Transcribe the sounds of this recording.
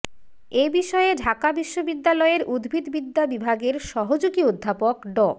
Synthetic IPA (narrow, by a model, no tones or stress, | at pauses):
ebiʃɔeɖʱakabiʃːobid̪ːalɔeɾud̪bʱid̪bid̪ːabibʱaɡeɾʃɔɦod͡ʑoɡiod̪ʱːapokɖɔ